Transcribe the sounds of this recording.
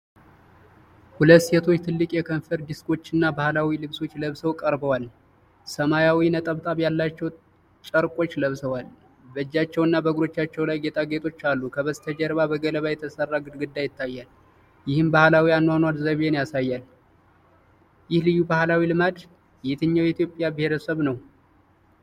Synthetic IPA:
hulət̪ːse̞t̪ʰo̞t͡ʃːt̪ʰɨlːɨkʼjɛkʰənfəɾd̪ɨskʼo̞t͡ʃːɨnːabahlawilɨβso̞t͡ʃːləβsəwkʼəɾbəwal | səmajawinət̪ʼəβt̪ʼaβjalːat͡ʃːɛw | t͡ʃʼəɾkʼo̞t͡ʃːləβsəwal | bəd͡ʒːat͡ʃːɛwɨnːabəɡɾo̞t͡ʃːat͡ʃːɛwlajɡe̞t̪ʰaɡe̞t̪ʰʼo̞t͡ʃːalːukʰəβəzt̪ʰəd͡ʒəɾβabəɡələβajɛt̪ʰəsərːaɡɨd̪ɡɨd̪ːajɪt̪ʰːajːal | jɪhɨmbahlawianːwanwad̪zəβenjasajːal | jɪhlɨjːubahlawilɨmad̪ | jɛt̪ʰɨɲːawit̪jo̞pʼjabɪheɾəsəβnəw

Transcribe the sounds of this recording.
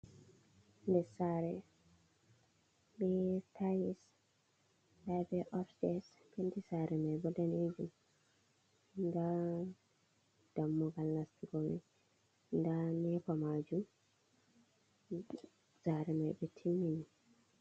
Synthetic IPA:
ndɛsaɾɛ | ɓɛtʰajis | labɛʔɔfsdɛs | kendisaɾɛmajbɔdaned͡ʒum | nda | d̥amːɔɡalnastiɡɔmaj | ndanɛfamad͡ʒum | saɾɛmajɓɛtʰimːini

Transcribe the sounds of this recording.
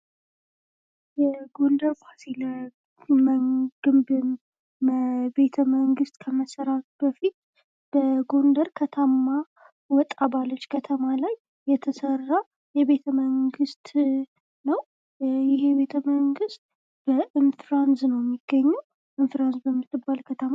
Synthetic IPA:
jɛɡo̞ndəɾfasilə | mɡ̥ɨmbɨn | be̞t̪ʰəməŋɡɨst̪ʼkʰəməsəɾat̪bəfit̪̚ | b̥əɡo̞nd̪əɾkʰət̪ʰamːa | wɔt̪ʼːabalːət͡ʃːkʰət̪ʰəmalajː | ɛt̪ʰəsərːa | jɛβe̞t̪ʰəməŋɡɨst̪ | nəw | jɪhebe̞t̪ʰəməŋɡɨst̪̚ | b̥əʔɨnfɾansnəwjɛmːiɡ̥ːəɲːuw | ʔɨnfɾansbəmːɨt̪ʼːɨbːalkʰət̪ʰəma

